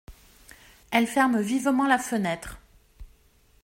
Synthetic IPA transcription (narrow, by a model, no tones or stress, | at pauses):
ɛlfɛʁmvivmɑ̃lafənɛt̪χ